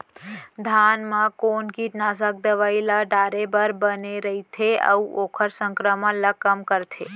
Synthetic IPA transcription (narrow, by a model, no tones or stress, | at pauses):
d̪ʱanmãkonkiʈnas̬ək̚d̪əʋaelaɖaɾebəɾbəneɾəɦit̪ʰeə̰uʔokʰəɾsə̃ŋkɾəmələkəmkəɾt̪ʰe